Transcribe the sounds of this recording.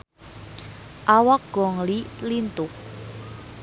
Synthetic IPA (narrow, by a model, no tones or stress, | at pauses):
ʔawɔk̚ɡ̥ɔ̤ŋlilint̪ʊk̚